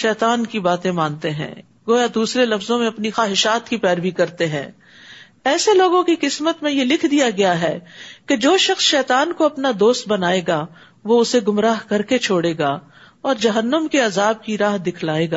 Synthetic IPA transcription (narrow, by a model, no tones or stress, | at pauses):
ʃɛːt̪aːnkibaːt̪ẽmãːnt̪eɦɛ̰̃ː | ɡoːjad̪uːsɾelɐfzõmẽɐpnixaːɦɪʃaːt̪kipɛːɾʋikɐɾt̪eɦɛ̰̃ː | ɛːseloːɡõkiqɪsmət̪mẽjelɪkʰd̪ijaɡɐjaɦɛːked͡ʒoːʃɐxsʃɛːt̪aːnkoɐpnad̪oːst̪̚bɐnaːeɡa | ʋoʊseɡʊmɾaːɦkɐɾket͡ʃʰoːɽeːɡaː | ɔːɾd͡ʒɐɦənːəmkeɐzaːb̚kiɾaːɦd̪ɪkʰlaːeːɡaː